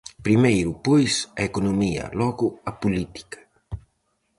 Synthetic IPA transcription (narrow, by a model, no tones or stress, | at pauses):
pɾimejɾupojsɐekonomiɐ̰lɔɣuɐpulit̪i̥kɐ̥